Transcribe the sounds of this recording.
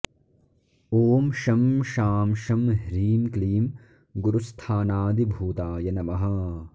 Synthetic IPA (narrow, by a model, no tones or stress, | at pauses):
oːmʃɐmʃaːmʃɐmɦɾiːmkliːm | ɡuɾust̪ʰaːnaːd̪ibʱuːt̪aːjɐnɐmɐɦɐ